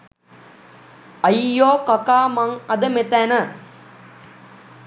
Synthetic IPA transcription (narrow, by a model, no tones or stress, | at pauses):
ɐijoːkakaːmaŋɐd̪əmet̪ænə